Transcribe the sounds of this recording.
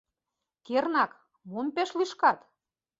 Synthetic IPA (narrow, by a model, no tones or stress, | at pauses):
kernɑk | monpeʃliʃkɑt̪